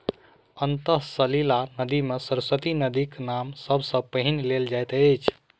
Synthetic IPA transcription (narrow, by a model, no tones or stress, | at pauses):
ənt̪əɦsəlilanəd̪imesəɾsət̪inəd̪iknamsəbʱsə̃pəɦinleld͡ʒajt̪ejt͡ʃʰ